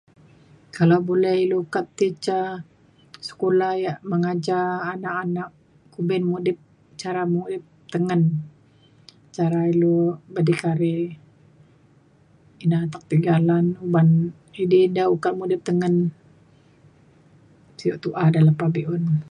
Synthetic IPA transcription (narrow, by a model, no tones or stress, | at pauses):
kalawbolɛhilokat̪t̪it͡ʃa | sə̥kolahjaʔməŋad͡ʒaːnakanak̚ | kubɛnmudɪp̚ | t͡ʃaɾamudɪp̚t̪əŋən | t͡ʃaɾailobadikaɾe | inat̪ak̚t̪iɡalanuban | idedaukat̪̚mudɪp̚t̪əŋən | siɔʔt̪uʔadalapabeʔʊn